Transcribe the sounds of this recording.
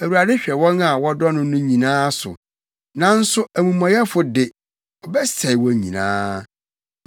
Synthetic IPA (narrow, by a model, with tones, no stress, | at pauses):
æ˨wu˨ɾa˨dɪ˦ɕᶣɛ˨wɔ̃˦na˨wɔ˦dɔ˦nʊ̃˦nʊ̃˦ɲĩ˨nãː˦sʊ̰˨ | nã˦n̩˦sʊ˦ʔæ˨mũ˨mã˨jɛ˦fʊ˨dɪ˨ | ɔ˨bɛ˦sɛ˨ɪ˨wɔ˨ɲḭ̃˨nã̰ː˦